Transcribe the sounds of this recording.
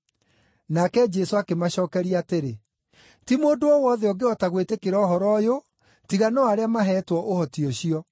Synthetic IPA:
nakɛd͡ʒɛsoakemaɕɔːkɛɾiateɾe | timoːdoɔwɔðɛɔɡeɔtaɣwetekeɾɔɦɔɾɔjo | tiɣanɔaɾeamaɦɛtwɔʔohɔtiɔɕiɔ

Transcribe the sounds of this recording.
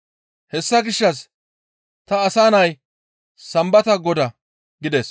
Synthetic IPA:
hɛsːɐɡɪʃːɐs | t̪ɐːsaːnɐj | sɐmbɐt̪ɐɡɔd̪ɐ | ɡɪd̪ɛs

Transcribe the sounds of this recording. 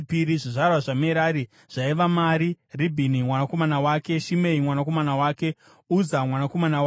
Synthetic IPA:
piɾiʐiʐarwaʐameɾaːɾi | ʐ̥aiʋamaɾi | ribʱinimwanako̞manawake̞ʃimeimwanako̞manawaːke̞ | uzamwanako̞manawa

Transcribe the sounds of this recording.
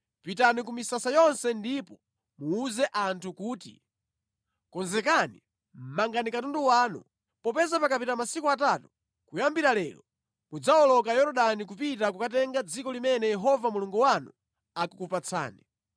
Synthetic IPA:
pitanik̬umisasajɔnsɛndipɔ | muːzɛʔantʰukuːtḭ | kɔnzɛkani | mmaŋɡanikatundɔwaːnṵ | pɔpɛzapakapitamasikɔatatu̥ | kujambiɾalɛːlɔ | mud͡zaɔlɔkajɔɾɔɗanik̬upit̬akukatɛŋɡad͡zikɔlimɛnɛjɛɦɔvamuluŋɡuwanṵ | akukupat͡sʰa̰ːni

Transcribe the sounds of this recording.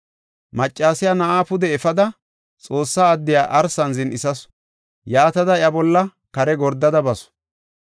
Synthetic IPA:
mɐt͡ʃʼːaːsɪjaːnɐʔaːpʊd̪ɛɛfɐd̪ɐ | t͡sʼo̞ːsːaːd̪ːɪjaːʔɐɾsɐnzɪnʔɪsɐs | jaːt̪ɐd̪ɐɪjɐbɔlːɐ | kɐɾɛɡɔɾd̪ːɐd̪ɐbɐsɔ̥

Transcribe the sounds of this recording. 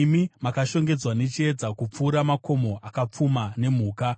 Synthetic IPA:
mimakaʃo̞ŋɡe̞d͡zwane̞t͡ʃie̞d͡zakup͡fuːɾamako̞mo̞ʔakap͡fumane̞m̤uːka

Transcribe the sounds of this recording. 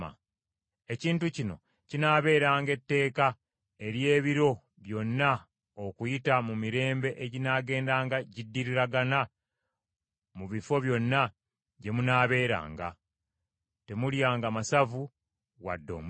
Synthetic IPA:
a̰ | e̞ciːntucino̞̰ | cinaːβe̞ːɾaːŋɡe̞tːe̞ːka | e̞ɾje̞ːβiɾo̞ | βjo̞nːa | okujitamumiɾe̞ːmbe̞ʔeɟinaːɡe̞ːndaːŋɡaɟidːiɾiɾaɡana | muβifo̞βjo̞nːa | ɟe̞munaːβe̞ːɾa̰ːŋɡa̰ | te̞muljaːŋɡamasavu | wa̰dːo̞̰m

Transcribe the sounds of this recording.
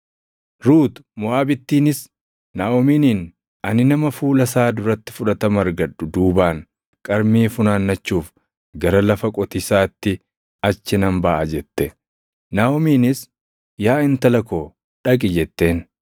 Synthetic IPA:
ɾuːt̪ʊmʊaːbɪt̪ːiːnɪs | naːɔmiːniːn | ɐnɪnɐmɐfuːlɐsaːd̪ʊɾɐt̪ːɪ̥fʊᶑɐt̪ɐmɐɾɡɐᶑːʊd̪uːbaːŋ | kʼɐɾmiːfʊnaːnːɐt͡ʃːuːf | ɡɐɾɐlɐfɐkʼɔt̪ɪsaːt̪ːɪ | ɐt͡ʃːɪnɐmbɐʔɐd͡ʒɛt̪ːɛ | naːɔmiːnɪs | jaːɪnt̪ɐlɐkoː | ᶑɐkʼɪd͡ʒɛt̪ːe̞ːn

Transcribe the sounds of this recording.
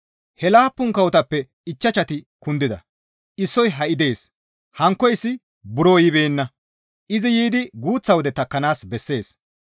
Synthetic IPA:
hɛlaːpːʊŋkɐwʊt̪ɐpːɛ | ɪt͡ʃːɐt͡ʃɐt̪ɪkʊnd̪ɪd̪ɐ | ʔɪsːɔjɦɐʔɪd̪e̞ːs | hɐŋkːɔjɪsːɪ | bʊɾoːjɪbeːnːɐ | ʔɪzɪjiːd̪ɪɡuːt͡sːɐwɔd̪ɛt̪ɐkːɐnaːsbɛsːe̞ːs

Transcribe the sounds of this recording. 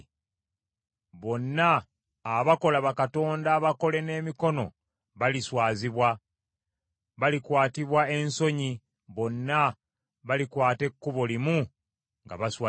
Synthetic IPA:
βo̞nːaː | βako̞laβakato̞ːndaːβako̞le̞ne̞ːmiko̞no̞̰ | βaliswaːziβwa | βalikwaːtiβwae̞nso̞ɲi | βo̞nːa | βalikwaːte̞kːuβolimu | ŋɡa̰βaswa

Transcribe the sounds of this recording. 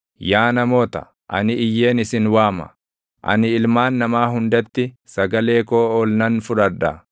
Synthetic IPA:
jaːnɐmo̞ːt̪ɐ̰ | ʔɐ̰nɪɪjːe̞ːnɪsɪnwaːmɐ̰ | ʔɐ̰nɪɪlmaːnːɐmaːɦʊnd̪ɐt̪ːɪ | sɐɡɐle̞ːkoːɔːlnɐnfʊᶑɐᶑɐ̰

